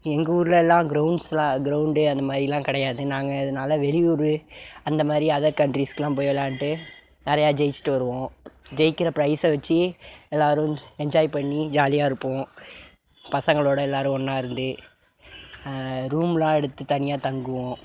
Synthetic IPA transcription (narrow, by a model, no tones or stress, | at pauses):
ɛŋɡɐuːɾɯlɐɛlːãːɡɾɐʊɳɖslãːɡɾɐʊɳɖɯɐnd̪ɐmaːd̪ɾilãːkɪɽɐjaːðɯnaːŋɡɐɪðɐnaːlɐʋɛɭɪjuːɾɯɐnd̪ɐmaːd̪ɾiɐðɐɾkɐɳʈɾiːskɐlãːp̬oːjɐlaːɳʈːɯ | nɛɾɐjaːd͡ʒɛjɪt͡ʃːɪ̥ʈːɯʋɐɾɯʋõːd͡ʒɛjɪkːɪɾɐpɪɾɐɪsɛʋɐt͡ʃːɯɛlːaːɾɯ̃ɛɲd͡ʒaːjipɐɳːid͡ʒaːlɪjaːɪɾɯpːõː | pɐsɐŋɡɐɭoːɽɐɛlːaːɾɯ̃ɔnːaːɪɾɯnd̪ɯ | ɾuːmlãːɛɽɯt̪ːɯt̪ɐnɪjaːt̪ɐŋɡɯʋõː